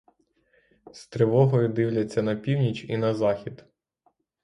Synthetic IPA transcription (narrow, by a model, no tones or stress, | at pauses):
st̪ɾɪʋɔɦɔjʊd̪ɪwlʲɐt͡sʲːɐnɐpʲiwnʲit͡ʃinɐzɑxʲid̪